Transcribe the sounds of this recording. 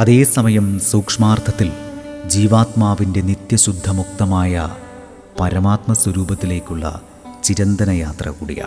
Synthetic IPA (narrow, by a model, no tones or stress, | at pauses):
ɐðe̞ːsɐmɐjɐmsuːkʂmaːrt̪ʰɐt̪ːild͡ʑiːʋaːt̪maːʋinde̞nit̪jɐɕud̪ʱːɐmuk̚t̪ɐmaːjɐ | pɐɾɐmaːt̪mɐswɐɾuːbɐt̪ːile̞ːkʲːuɭːɐ̰ | t͡ɕiɾɐnd̪ɐnɐjaːt̪rɐ̰kuːɽḭja̰ː